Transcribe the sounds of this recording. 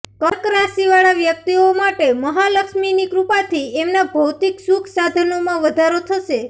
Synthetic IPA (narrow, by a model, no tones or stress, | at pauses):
kəkɾasiʋaɭaʋjək̚t̪iomaʈeməɦaləkʃminikɾupat̪ʰiemnabʱəwt̪iksukʰsad̪ʱənomãʋəd̪ʱaɾot̪ʰəʃe